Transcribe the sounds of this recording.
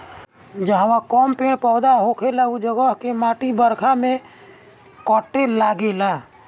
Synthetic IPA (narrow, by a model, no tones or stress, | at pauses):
d͡ʒəɦʋãkɔmpeɳpɔːd̪aɦokʰelaud͡ʒəɡəɦkemãʈibəɾkʰamẽ | kɔʈːelaɡela